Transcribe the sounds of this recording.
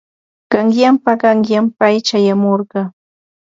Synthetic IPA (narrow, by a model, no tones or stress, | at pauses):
ɢ̥ɑŋjampaɢɑŋjampajt͡ʃajamoɾɢɑ